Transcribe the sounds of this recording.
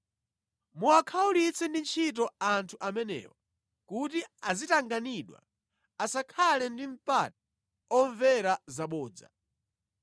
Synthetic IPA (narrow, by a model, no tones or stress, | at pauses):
muwakʰaulit͡sʰɛndint͡ʃʰitɔantʰuʔamɛnɛ̰wɔ | kutiazitaŋɡaniɗwa̰ | asakʰalɛndiɱ̩pat̚a | ɔɱvɛɾazaɓɔːd͡za̰